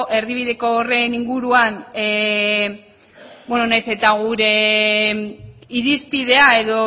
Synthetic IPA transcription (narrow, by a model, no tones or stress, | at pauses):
ʔe̞ɾðiβ̞iðe̞ko̞ːre̞niŋɡuɾuane | bwenonajse̞t̪aɣuɾe̞ | iɾispið̞e̞ae̞ðo̞